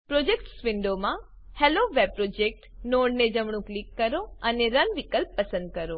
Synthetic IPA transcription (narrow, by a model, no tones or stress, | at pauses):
pɾod͡ʒekʈsʋiɳɖomã | heloʋeb̚pɾod͡ʒek̚ʈnoɖned͡ʒəmɳ̃ũklikːəɾoəneɾənʋikəlpːəsə̃nd̪̚kəɾo